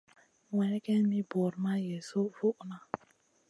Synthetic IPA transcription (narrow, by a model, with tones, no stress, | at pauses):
ŋʷe˨˦ke˦ni˦bo˨ɾma˦je˨so˦˨fo˦ʔna˦